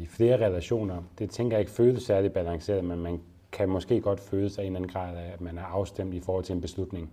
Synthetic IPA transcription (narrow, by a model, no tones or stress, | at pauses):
ifle̝ːɐʁɛlæɕo̝̰ːnɐd̥e̝t͡sʰeŋɡ̥ɐjɑ̈e̝ɡ̥əføːðˠəsæɐlib̥ælɑ̈ŋse̝̰ːɐðˠmenmæn | kʰæmɒ̽sɡ̥e̝̰ːɡ̥ɒ̽d̥føːlˠəsɑ̈e̝̰nlæn̩ɡʁɑ̰̈ːðˠæmænæɐɑ̈ʊsd̥em̰d̥ifɒːhɒ̽l̰t͡sʰelenbe̝slud̥ne̝ŋ